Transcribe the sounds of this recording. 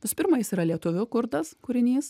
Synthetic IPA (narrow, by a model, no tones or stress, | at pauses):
ʋʲɪsʊ̥pʲɪɾmɐjɪsiːɾɐlʲiɛt̪ʊʋʲʊkʊɾd̪ɐskʊɾʲɪnʲiːs